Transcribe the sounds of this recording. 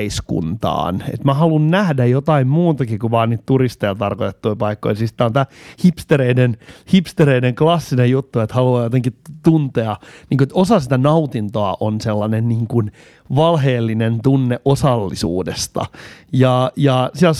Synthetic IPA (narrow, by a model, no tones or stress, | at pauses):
iskṵnt̪ɑ̰ːnḛt̪mæhɑlunnæhdæjot̪ɑimmuːt̪ɑkikuʋɑːniːt̪t̪urist̪ejɑt̪ɑrkot̪et̪ːuipɑikːo̰isisi̥t̪æont̪æːhipst̪eɾeinenhipst̪eɾeineŋklɑsːinejut̪ːuet̪hɑluɑːjot̪eŋkit̪unt̪eɑniːŋkuet̪osɑsit̪ænɑut̪int̪oɑʔonselːɑnenniːŋkun | ʋɑlɦeːlːinent̪unːeʔosɑlːḭsṵːdest̪ɑ̰jɑjɑsiæl